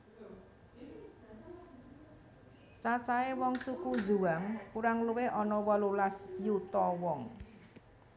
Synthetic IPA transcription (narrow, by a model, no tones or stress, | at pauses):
t͡ʃat͡ʃaewɔŋsukuzṳwaŋkuɾaŋluweʔɔnɔwɔlulasjut̪ɔwɔŋ